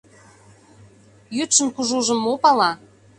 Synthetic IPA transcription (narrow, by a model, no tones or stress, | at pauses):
jyt̪ʃə̆nkuʒuʒə̆mːopɑlɑ